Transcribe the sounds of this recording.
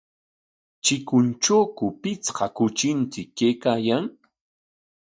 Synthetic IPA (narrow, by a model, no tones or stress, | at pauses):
t͡ʃɪkʊnt͡ʃoːkʊpɪt͡sqɑkʊt͡ʃɪnt͡sɪkːejkaːjaŋ